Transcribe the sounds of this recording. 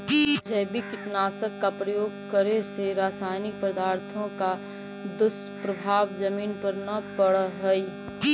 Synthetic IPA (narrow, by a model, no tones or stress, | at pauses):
d͡ʒʰɛɦbikɪʈnaːsəkːapɾəjoːɡkəɾeseɾaːsaːɪnɪk̚pɾɐd̪aːɾt̪ʰõka | d̪ʊs | pɾɐbʱaːʋd͡ʒɐmiːnpɐɾnɐpɐɽɦəi